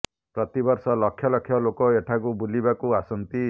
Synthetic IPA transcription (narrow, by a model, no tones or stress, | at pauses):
pɾɔt̪ibɔɾsɔlɔkʰːjɔlɔkʰːjɔlokɔeʈʰakubulibakuasɔnt̪i